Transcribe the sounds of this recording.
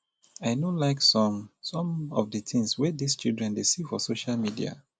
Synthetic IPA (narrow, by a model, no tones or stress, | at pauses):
aɪnolaɪksɔ̃msɔ̃mɔvdətɪ̃ŋswɛdist͡ʃilˠdɹɛ̃ndesifɔsoʃalmidḭa̰